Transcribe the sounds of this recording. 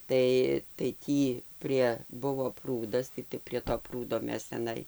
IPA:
ˈtɐɪ tɐɪ ˈtʲiː ˈpʲrʲiɛ ˈbʊʋoː ˈpruːdɐs tɐɪ tɐɪ pʲrʲiɛ toː ˈpruːdoː ˈmʲɛs tʲɛˈnɐɪ

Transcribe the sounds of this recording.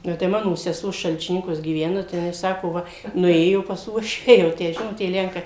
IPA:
ˈnʊ tɐɪ ˈmɑːnoː sʲɛˈsuɔ ʃɐlʲt͡ʃʲɪˈnʲɪŋkuɔs ɡʲiːˈʋʲæːnɐ tɐɪ jɪˈnɐɪ ˈsɑːkoː ˈʋɐ nʊˈeːjoː pɐs ˈuɔʃʲʋʲæː jɛʊ ˈtʲæː ˈʒʲɪnoːt tʲiɛ ˈlʲɛŋkɐɪ

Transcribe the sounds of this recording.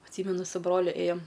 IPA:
ɐtʲˈsʲiːmʲɛnʊ sʊ ˈbroːlʲʊ ˈeːjoːm

